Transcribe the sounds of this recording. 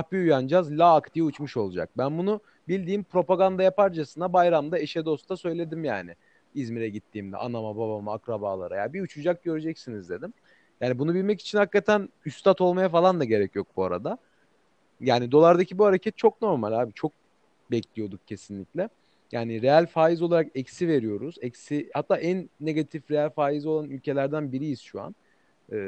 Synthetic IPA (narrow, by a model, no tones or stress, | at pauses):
ahbiujand͡ʒazlʲaːkt̪ʰijut͡ʃmuʃo̞lˠud͡ʒa̰k̚bænbunu | bilʲd̪iːmpɾo̞paɡand̪ajapaɾd͡ʒasɯnabajɾamd̪ae̞ʃɛd̪o̞st̪asø̞jlʲe̞d̪imjaːnɪ | izmiɾɛɟit̪ʰːiːmd̪ɛ̰ʔanamabaβamaakɾabaːlˠa̰ɾaja̰biut͡ʃʰud͡ʒak̚ɟø̞ɾyd͡ʒɛcsinizd̪e̞d̪im | jaːnibunubilʲmɛci̥t͡ʃʰinhakːat̪ʰænyst̪ʰat̪ʰolˠmajafalˠand̪aɟe̞ɾɛcjo̞k̚buaɾa̰d̪a | jaːnid̪o̞lˠaɾd̪acʰibuhaɾecʰɛt̪̚t͡ʃʰo̞kno̞ɾmalʲaːbit͡ʃʰo̞k̚ | bɛclʲijo̞d̪uk̚cʰe̞sinlʲicʲlʲɛ | jaːniɾe̞jælʲfaːjizolˠaɾakɛcsive̞ɾijo̞ɾuzɛcsihat̪ːaːʔænːeɡat̪ʰifɾejælʲfaːjizo̞lˠanylʲcʰe̞lʲæɾd̪ænbiɾijiz̥ʃua̰n | ɯː